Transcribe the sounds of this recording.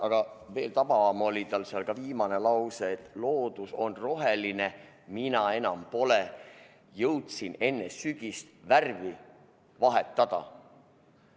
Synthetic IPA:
ʔɑɡ̥ɑve̞ːlt̪ɑb̥ɑɑmolʲit̪ɑlseɑlkɑviːmɑne̞lɑwseːt̪lo̞ːd̪̥uso̞nro̞ɦeline | minɑe̞nɑmpo̞le | jɤwt̪sine̞nːesyɡ̥ist̪værvi | vɑɦet̪ːɑd̪̥ɑ̰

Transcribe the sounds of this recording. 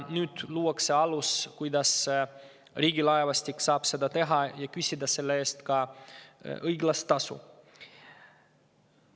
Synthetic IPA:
nyːd̪̥luːwɑkse̞ɑluskujd̪ɑs | riːɡilɑevɑst̪ikːsɑːb̥se̞d̪ɑt̪e̞ɦɑjɑkysʲid̪ɑse̞lːee̞ːst̪kɑ | ɤjɡlɑst̪ːɑsṵ

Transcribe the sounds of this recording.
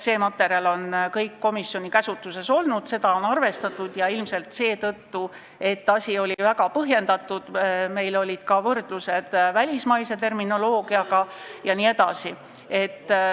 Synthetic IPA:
se̞ːmɑt̪ːˑe̞ɾiɑlo̞nkɤjkːo̞misːjo̞nikæsut̪ːˑuse̞so̞lnud̪̥se̞d̪ɑo̞nɑrve̞st̪ɑt̪ːˑud̪̥jɑilmse̞lt̪se̞ːt̪ɤt̪ːu | e̞t̪ːɑsʲio̞lʲivæɡɑpɤɦje̞nd̪̥ɑt̪ːˑud̪̥me̞jlo̞lʲid̪̥kɑvɤrd̪̥luse̞d̪̥vælʲismɑjse̞t̪e̞rmino̞lo̞ːɡ̥iɑɡɑjɑniːe̞d̪̥ɑ̰si | e̞t̪ː

